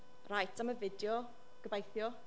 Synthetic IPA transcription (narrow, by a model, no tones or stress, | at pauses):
rajtʰaməvɪdjɔ | ɡ̥əbajθjɔ